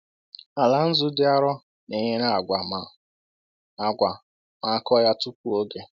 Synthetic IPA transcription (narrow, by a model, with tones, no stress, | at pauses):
a˨la˨n̩˦zʊ˦dɪ˦a˦ɾɔ˦ | ne˨ɲe˦na˦a˨ɡʷa˨ma˨ | a˨ɡʷa˨ | ma˨˦kɔ˦ja˦tʊ˦kʷu˦o˦ɡe˦